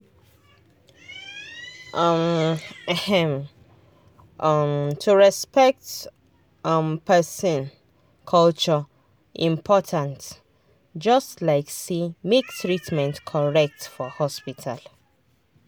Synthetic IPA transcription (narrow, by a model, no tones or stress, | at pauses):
ʔʌmɛhɛ̃m | ʔʌmtʰuɹɛspɛk̚t | ʌmpʰɛsɔ̃n | kʰɔlt͡ʃɔ | ʔĩmpʰɔtʰãnt | d͡ʒʌstlaɪksemektɹitmɛ̃ntkʰɔɹɛk̚tfɔhɔspitʰa̰l